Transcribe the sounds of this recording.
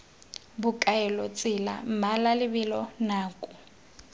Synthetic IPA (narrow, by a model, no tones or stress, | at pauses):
bʊkʼaɛlɔt͡sʼɪla̰m̩malalɪbɪlɔnaːkʼʊ